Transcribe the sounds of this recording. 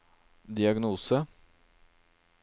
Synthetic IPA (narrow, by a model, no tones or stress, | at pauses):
d̪ɪɑɡnuːsə